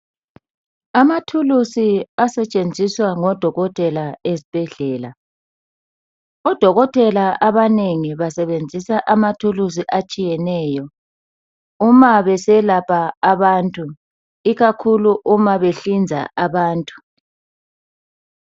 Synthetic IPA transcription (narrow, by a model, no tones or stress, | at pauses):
amatʰulusiasɛt͡ʃʼend͡zʱiswaŋɔd̥ʱɔɣɔtʼɛlaesi̥b̥ʱɛɮɛːla | ɔd̥ʱɔɣɔtʼɛlaʔaβaneŋiβasɛβend͡zʱisaʔamatʰulus̬iʔat͡ʃʼijɛnɛːjɔ | umaβɛsɛlapʰaːβaːntʼu | iɣakʰuluʔumaβeɬind͡zʱa̰ʔaβaːntʼu̥